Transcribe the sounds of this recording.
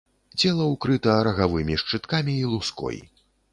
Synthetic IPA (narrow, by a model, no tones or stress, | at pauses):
t͡sʲɛlˠɐukɾɨt̪ɐɾɐɣavɨmʲiʂt͡ʂɨt̪kamʲiːlˠuskɔ̰j